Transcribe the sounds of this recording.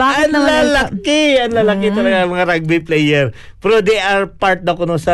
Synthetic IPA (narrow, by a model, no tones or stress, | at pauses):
baːɐnnɐmlalɐkɪɐnlaːlɐkɪt̪ɐlɐɡaɐŋmɐŋaɾaɡ̚bɪplɛjɛɹ | pɛɾod̪ɛjʔɐɹpaɹt̪̚nɐkonosɐ